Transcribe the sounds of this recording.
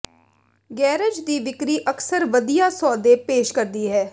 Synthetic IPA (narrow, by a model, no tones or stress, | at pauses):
ɡɛːɾəd͡ʒd̪iːʋɪkɾiːʔəksəɾʋəd̪ijaːsɔːd̪eːpeːʃkəɾd̪iːɦɛː